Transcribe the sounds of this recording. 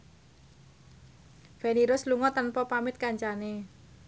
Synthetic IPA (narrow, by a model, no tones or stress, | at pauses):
feniɾʊsluŋɔt̪ənpɔpamɪt̪̚kaɲt͡ʃane